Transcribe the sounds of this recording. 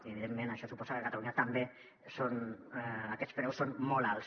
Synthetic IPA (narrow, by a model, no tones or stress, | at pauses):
iəβiðemːẽnaʃɔsupɔsakəkat̪aluɲat̪ambe | son | akɛt̪spɾɛwsonmɔlals